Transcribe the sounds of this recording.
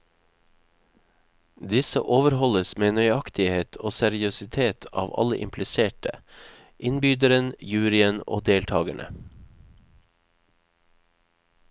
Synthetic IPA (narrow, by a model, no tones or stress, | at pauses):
d̪ɪsə̰ʔoːʋəɾhɔləsmeːnœʏɑkt̪ɪheːt̪ʰoːsæɾɪʉsɪt̪ʰeːt̪ʰɑ̰ːʋɑ̰ləʔɪ̰mpʰlɪseːʈə | ʔɪnbyːd̪əɾənjʉːɾɪəno̰ːd̪eːlt̪ʰɑːɡəɳʔə̰